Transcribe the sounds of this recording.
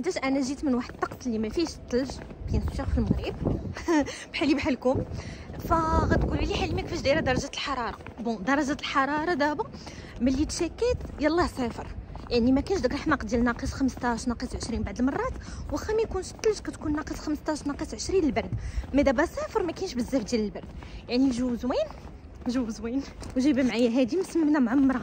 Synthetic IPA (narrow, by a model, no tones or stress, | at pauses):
ħd̪æʃʔænæʒit̪mənwaħəd̪̚t̪ːɑqsˤlːimæfiʃt̪ˤːɑlʒbjænsuʃæxfəlməɣɾib | bħalibħalkumfæɣæt̪kuliliħalimækfiʃd̪iɾæd̪ɑɾˤɑʒæt̪əlħɑɾˤɑɾˤɑbɔ̃d̪ɑɾˤɑʒælħɑɾˤɑɾˤɑd̪æba | mælːit̪ʃækːæt̪jælˤːɑhsæfəɾˤjaʕnimækænʃd̪ækɾˤɑħmɑqd̪ælnɑqisxəməst̪æʃnɑqisʕəʃɾinbaʕd̪əlmɑrˤːɑt̪wæxæmikunʃt̪ːlʃkæt̪kunːɑqisxəməst̪æʃnɑqisʕəʃɾinəlbɑɾˤd̪mæd̪æbæsæfəɾˤmækænʃbəzːæfd̪jæləlbɑɾˤd̪jaʕniʒuwzwin | ʒuwzwinwʒibæmʕajːæɦæd̪imsəməmnæmʕamːɾˤɑ